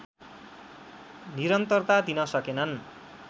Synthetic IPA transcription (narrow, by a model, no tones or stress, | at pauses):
niɾʌnt̪ʌrt̪ad̪inʌsʌkenʌn